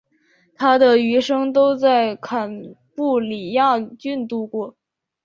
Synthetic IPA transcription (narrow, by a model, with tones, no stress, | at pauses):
t̪ʰa˥d̪ə˨y˧˥ʂɤ˥ŋt̪o˥ʊt͡sa˥˩ɪkʰa˨˩npu˥˩li˨˩ja˥˩t͡ɕy˥˧nt̪u˥˧kwɔ˥˩